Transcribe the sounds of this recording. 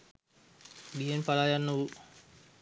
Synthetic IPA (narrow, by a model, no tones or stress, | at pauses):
bienpalajanːəu